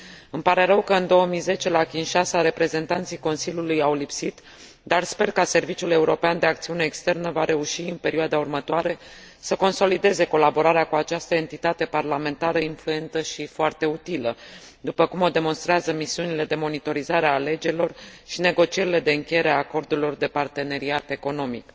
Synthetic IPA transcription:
ɨmpaɾe̞ɾəwkəɨnd̪o̞wəmijze̞t͡ʃe̞lakʲinʃasaɾe̞pɾe̞ze̞nt̪ant̪sijko̞nsilʲulujawlipsit̪ | d̪arspe̞rkase̞rvit͡ʃule̞uɾo̞peand̪e̞akt̪siune̞ːkst̪e̞rnəvaɾe̞uʃiɨnpe̞ɾioad̪aurmət̪oaɾe̞ | səko̞nso̞lid̪e̞ze̞ko̞labo̞ɾaɾeakuat͡ʃast̪əe̞nt̪it̪at̪e̞parlame̞nt̪aɾəinflue̞nt̪əʃifoart̪e̞ut̪ilə | d̪upəkumo̞d̪e̞mo̞nst̪ɾeazəmisiunile̞d̪e̞mo̞nit̪o̞ɾizaɾeaːle̞d͡ʒe̞ɾilo̞rʃine̞ɡo̞t͡ʃie̞ɾile̞d̪e̞ɨŋkʲejeɾeaːko̞rd̪uɾlo̞rd̪e̞part̪e̞ne̞ɾiat̪e̞ko̞no̞mḭk

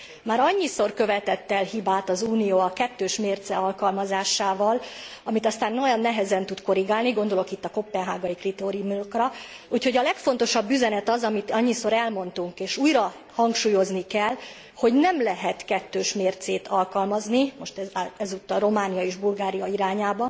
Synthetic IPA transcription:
maːɾɒɲːiso̞rkø̞vɛt̪ɛt̪ːɛlhibaːt̪ɒzuːnijoːɒkɛt̪ːøːʃmeːrt̪sɛɒlkɒlmɒzaːʃaːvɒlɒmit̪ɒst̪aːnːojɒnːɛɦɛzɛnt̪ut̪ko̞ɾiɡaːlniɡo̞nd̪o̞lo̞kit̪ːɒko̞pːɛnɦaːɡɒikrit̪oɾiumokrɒ | uːcho̞ɟɒlɛkfo̞n̪t̪o̞ʃɒbːyzɛnɛt̪ɒzɒmit̪ɒɲːiso̞ɾɛlmo̞nt̪uŋkeːʃuːjrɒ | hɒŋkʃuːjo̞znikɛl | ho̞ɟnɛmlɛɦɛt̪kɛt̪ːøːʃmeːrt̪seːt̪ʰɒlkɒlmɒznimo̞ʃt̪ɛɛzut̪ːɒro̞maːnijɒeːʒbulɡaːɾijɒiɾaːɲaːbɒ

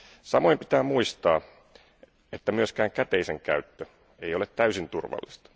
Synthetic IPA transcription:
sɑmoimpi̥t̪æːmuist̪ɑː | et̪ːæmyøskæːŋkæt̪eiseŋkæ̰yt̪ːø | eijolet̪t̪æysint̪urʋɑ̰lːist̪ɑ̥

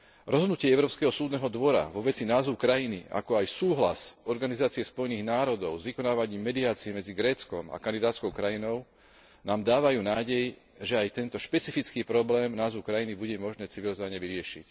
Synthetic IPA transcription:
ɾɔzɦɔd̪nucɪɛɛʊɾɔːpskɛɦɔsuːd̪nɛɦɔd̪ʋɔɾa̰ʋɔʋɛt͡sinaːzukɾajinḭa̰kɔajsuːɦla̰sɔɾɡanizaːt͡siɛspɔjniːɣnaːɾɔd̪ɔʊzʋikɔnaːʋaɲiːmːɛd̪iaːt͡siɛmɛd͡ziɡɾɛːt͡skɔma̰kand̪id̪aːt̪t͡skɔʊkɾajinɔʊ | naːmd̪aːʋajuːnaːɟɛj | ʒɛajt̪ɛnt̪ɔʃpɛt͡sifit͡skiːpɾɔblɛːmnaːzʋuʊkɾajinibuɟɛmɔʒnɛːt͡siʋilizɔʋaɲɛʋiɾɪɛʃḭc

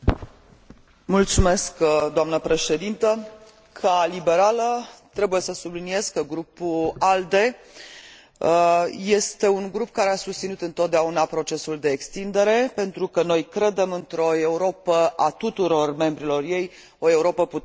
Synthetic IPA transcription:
mult̪sume̞skd̪oamnəpɾe̞ʃe̞d̪int̪ə | kʰalibe̞ɾalət̪ɾe̞buje̞səsublinie̞zkəɡɾupuald̪e̞ | je̞st̪e̞uŋɡɾupkaɾe̞asust̪sinut̪ɨnt̪o̞t̪̚d̪eaunapɾo̞t͡ʃe̞suld̪e̞ːkst̪ind̪e̞ɾe̞pe̞nt̪ɾukəno̞jkɾe̞d̪e̞mɨnt̪ɾo̞e̞uɾo̞pəʔat̪ut̪uɾo̞rme̞mbɾilo̞rje̞j | o̞e̞uɾo̞pəpu

